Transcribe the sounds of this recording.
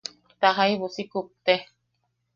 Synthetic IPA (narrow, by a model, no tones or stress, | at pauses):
t̪aɦaiβusikup̚t̪e